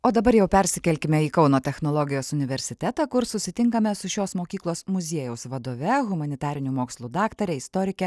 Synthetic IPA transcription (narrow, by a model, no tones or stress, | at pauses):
oːd̪ɐbɐɾjɛʊpʲɛɾʲsʲɪkʲɛlʲkʲɪmʲɛiːkɒʊnoːt̪ʲɛxnolˠɔɡʲɪjoːsʊnʲɪʋʲɛɾʲsʲɪt̪ʲɛt̪ɑːkʊɾsʊsʲɪt̪ʲɪŋkɐmʲɛsʊʃʲoːsmoːkʲiːklˠoːsmʊzʲiɛjɛʊsʋɐd̪oːʋʲɛɣʊmɐnʲɪt̪ɑːɾʲɪnʲumoːkslˠuːd̪ɑːkt̪ɐɾʲɛɪst̪ɔɾʲɪkʲɛ